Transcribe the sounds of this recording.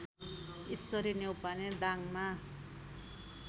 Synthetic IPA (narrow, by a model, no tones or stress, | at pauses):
isːʌɾinewpaned̪aŋma